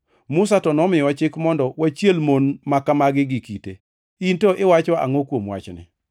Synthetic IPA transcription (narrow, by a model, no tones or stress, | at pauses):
mʊsatɔnɔmɪjɔat͡ʃɪkmɔndɔwat͡ʃjelmonmakamaɡɪɡɪkite | intoʔɪwat͡ʃɔa̰ŋokwomwa̰t͡ʃnɪ̰